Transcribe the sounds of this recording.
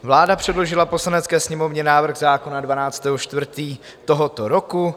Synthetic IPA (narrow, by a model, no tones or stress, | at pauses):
vlaːdapr̝̥ɛdlo̞ʒɪlapo̞slanɛt͡skɛːsɲɛmo̞vɲɛnaːvr̩ɣzaːko̞nadvanaːt͡st̪ɛːɦoʃt̪vr̩t̪iː | t̪oɦo̞t̪o̞ɾoku